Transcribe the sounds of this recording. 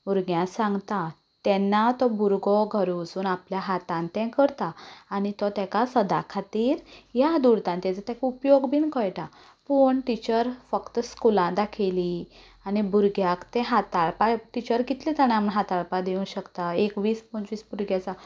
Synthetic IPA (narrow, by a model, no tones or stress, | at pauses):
buɾɡjãsãŋɡt̪a | t̪ɛnːat̪ɔbuɾɡɔɡʱəɾusuːnapljaɦat̪ãnt̪ɛ̃kəɾt̪aːñit̪ɔt̪ɛkasəd̪a̰kʰat̪iːɾjad̪uɾt̪ãnt̪ɛ̃t͡sat̪ɛ̃kupjoɡbiːnkʰəjʈa | puɳʈit͡ɕəɾfəkt̪əskulãd̪akʰeli | anibuɾɡjakt̪ɛ̃ɦat̪aɭpaʈit͡ɕəɾɡit̪lit̪aɽ̃aməɳɦat̪aɭpad̪iũɕəkt̪aekʋiːspɔnt͡sʋiːsbuɾɡjat͡sa